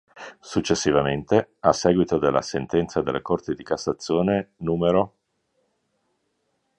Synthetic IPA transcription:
sut͡ʃːesːivament̪easɛːɡwit̪od̪elːa̰sent̪ɛnt̪sad̪elːekort̪id̪ikasːat̪sːjoːnenuːmeɾo

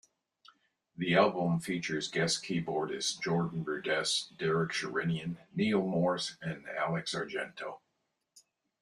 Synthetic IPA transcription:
ðiælˠbə̃ɱfit͡ʃə˞zɡɛskʰibɔɹɾɨzd͡ʒɔɹdⁿn̩bɹʉdɛsd̥ɛɹɨkʃə˞ɪ̃njɨ̃nːil̩ˠmɔɹsɨ̃næ̰lˠɨksɑɹd͡ʒɛ̰̃ntʰoʊ

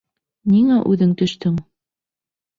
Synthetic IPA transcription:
niŋæʔʉðɘŋt̪ɵ̆ʃt̪ɵŋ

